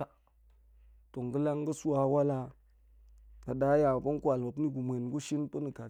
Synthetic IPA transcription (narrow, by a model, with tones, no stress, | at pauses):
a˦ | to˨ŋ˨ɡə˦la˦ŋɡə˦su˦wa˨wa˦la˦ | na˨da˨˦ja˨pa˦n˦kʷa˨lma˨p̬ni˦ɡu˨mʷ˨e˨nɡu˦ʃi˦npə˦ni˨ka˨